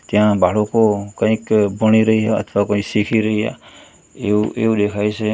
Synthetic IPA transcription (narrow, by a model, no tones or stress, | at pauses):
t̪jãbaɭokokə̃ĩkbəɽ̃iɾəɦiɦaə̰t̪ʰʋakə̃ksikʰiɾəɦiɦa̰ | euʔḛud̪ekʰajt͡ʃʰe